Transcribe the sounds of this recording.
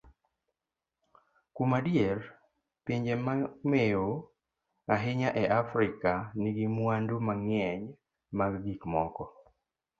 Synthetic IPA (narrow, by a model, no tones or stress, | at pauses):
kumadjer | piɲd͡ʒemamejo | aɦɪɲaʔɛʔafɾikaniɡimwandomaŋjɛɲ | maɡɡikmɔkɔ